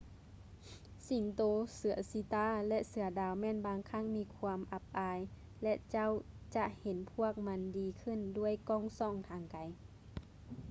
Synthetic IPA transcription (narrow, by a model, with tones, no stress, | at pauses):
si˨˦ŋt̪oː˧sɯ˨˩˦ɐsi˧˦t̪aː˧˥˨lɛ˧ʔsɯ˨˧˦ɐdaː˨˧˩wmɛː˧˥˨nbaː˧ŋkʰa˧˥˨ŋmiː˧˥kʰu˧mʔa˧p̚ʔaː˧j | lɛ˧ʔt͡ɕa˥˨wt͡ɕa˧ʔhe˨˦npʰu˥˩ək̚ma˧˥ndiː˧kʰɯ˧˥˨ndu˥˩əjkɔː˧˩ŋsɔː˧˨ŋt̪ʰaː˨˧ŋka˨˦j